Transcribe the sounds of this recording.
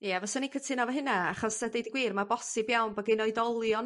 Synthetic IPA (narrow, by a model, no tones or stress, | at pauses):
jɛvɔsɔnikʰətʰɪnɔvəɦɪnaaχɔsadejdiɡwiːrmabɔsɪbjawnbəɡɪnoɨdɔlˠjɔn